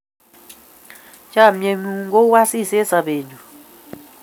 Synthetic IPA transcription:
t͡ʃa˦˨mje˨mu˦ŋɡo˦wa˦si˦˨sɛ˦sa˨βeː˨ɲd͡ʒu˨

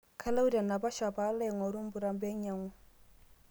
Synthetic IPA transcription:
kʰa˦la˦u˦da˨na˨ba˦ʃa˨ba˦lɛ˦˨ŋɔ˨ɾu˦m̩˦bu˨ɾa˨m˦bɛ˦ɲ˦a˨˦ŋu˦

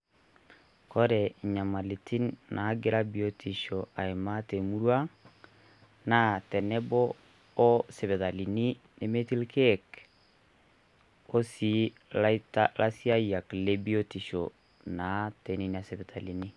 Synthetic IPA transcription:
kɔ˦ɾɛ˨ɲa˨ma˨li˨tʰi˦nna˨˦ɡe˦ɾa˦bi˨o˨tʰi˨ʃo˨a˨e˨ma˦te˨mu˦ɾwa˦ | na˦tɛ˨nɛ˦bɔː˦ | sɛ˨βɛ˨ða˨li˨ni˦ | ne˨me˦ti˦lkʰɛ˦k | o˦si˨˦ | ltalʔa˦si˦a˦i˦a˨kle˦bi˦o˦ti˨ʃo̰˨ | na˨˦tɛ˨˦ni˨˦ni˨a˨sɛ˨βɛ˨ða˨li˨ni˦

